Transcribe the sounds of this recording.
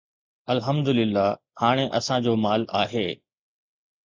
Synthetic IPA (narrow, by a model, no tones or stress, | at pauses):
ɐlɦɐmd̪ʊlɪlːa | haːɽ̃eʔɐsãd͡ʑoːmaːlaːɦeː